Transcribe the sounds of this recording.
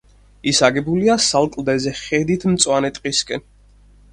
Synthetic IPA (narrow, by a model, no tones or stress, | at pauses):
isaɡɛbuliasalˠkʼlˠd̪ɛzɛχɛd̪it̪ʰmt̪sʼwanɛt̪ʼqʼiskʼɛn